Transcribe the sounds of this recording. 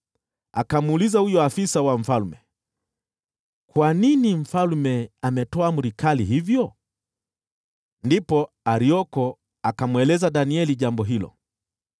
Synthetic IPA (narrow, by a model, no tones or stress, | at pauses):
a̰kamuulizahujɔafisawam̩falmɛ̰ | kwaninim̩falmɛamɛtɔamuɾikaliɦivjɔ | ndipɔ | aɾiɔkɔ | akamwɛlɛzaɗaniɛliʄambɔɦilɔ̰